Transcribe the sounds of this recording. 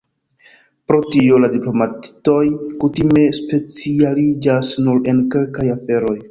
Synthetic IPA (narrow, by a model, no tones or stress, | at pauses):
pɾo̞tio̞ladiplo̞matto̞jkutime̞spe̞t͡sialid͡ʒasnuɾe̞nke̞lkajafe̞ɾo̞j